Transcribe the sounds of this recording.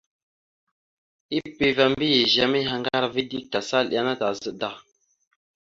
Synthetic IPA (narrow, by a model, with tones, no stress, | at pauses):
i˦pe˦va˦mbi˦je˨ʒa˦mi˦ɦa˨ŋɡa˦ɾvi˦di˦˨k̚ta˨sa˦˨lʔa˦na˦ta˨zə˦˨da˨